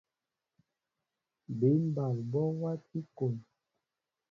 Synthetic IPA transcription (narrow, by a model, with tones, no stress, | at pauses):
be˨˦m̩˦ba˨lbɔ˦wa˦ti˦ko˨m